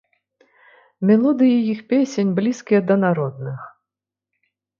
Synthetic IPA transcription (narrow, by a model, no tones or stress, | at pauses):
mʲɛlˠɔd̪ɨjɛjixpʲesʲenʲblʲiskʲijɛd̪ɐnaɾɔd̪̚nɨx